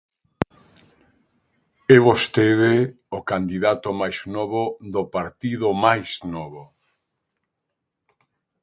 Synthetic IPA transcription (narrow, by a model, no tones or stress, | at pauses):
ɛβost̪eðɪ | okand̪iðat̪ʊmajznɔβoðopaɾt̪iðʊmajsnɔβo